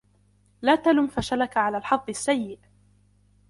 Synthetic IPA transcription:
laːt̪alʊmfaʃalakaʕalaːlħɑd̪ˤːɪsːajːɪʔ

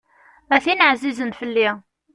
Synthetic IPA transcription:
æθinʕzizənfəlːi

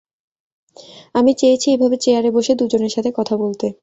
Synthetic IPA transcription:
amit͡ɕejet͡ɕʰiebʱabet͡ɕeaɾeboʃed̪ud͡ʑoneɾʃat̪ʰekɔt̪ʰabolt̪e

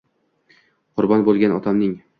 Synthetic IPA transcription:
qʰʊɾbɒnbolˠɡʲanɒt̪ʰamnɪŋ

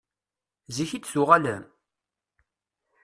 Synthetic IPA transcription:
ziçid̪θʊʁaləm

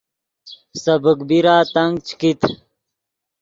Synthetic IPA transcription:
sɐbəkbiɾaːt̪ɐŋɡ̚t͡ɕkit̪ʰ

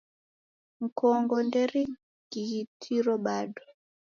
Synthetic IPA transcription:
ŋ̩kɔŋɡɔndɛɾi | ɡ̥iɣitʰiɾɔɓadɔ

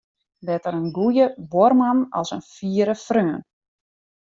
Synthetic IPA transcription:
lɛtəɾənɡujəbormanɔ̰lˠsənfiːəɾəfrøːn

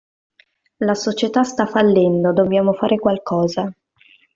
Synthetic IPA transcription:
lasot͡ʃet̪ast̪afalːɛnd̪od̪objaːmofaːɾekwalkʰɔːza

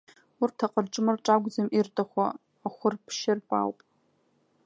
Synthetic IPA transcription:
ʊrtʰaqʼərʈ͡ʂʼɨmrʈ͡ʂʼaɡʷd͡zamʔirtʰʼaχʷaː | χʷʊrpʰʃɪrpʼa̰wpʼ

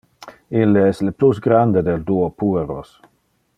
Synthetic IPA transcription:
ilːeɛsleplusɡɾand̪ed̪eld̪uopueɾo̰s

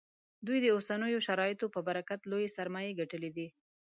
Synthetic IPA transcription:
d̪ujd̪əosanəjoʃaɾɑjɪt̪opəbaɾakat̪lojesaɾmɑjeɡaʈəlid̪i

